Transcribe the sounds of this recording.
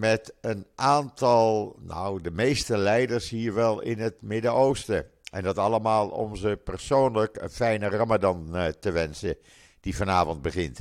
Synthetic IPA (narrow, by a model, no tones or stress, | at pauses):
mɛtənʔaːntɑlˠno̰wdəmejstəlɛjdəɹshiːɹʋɛlˠɪ̰nɦətmɪdəowstə | ʔɛ̰ndɑtɑləmaːlˠɔ̰mzəpəɹsoːnləkə̰nfɛjnərɑmadɑntəʋɛnsə | d̥ivɑnaːvɔnd̚bəχɪnt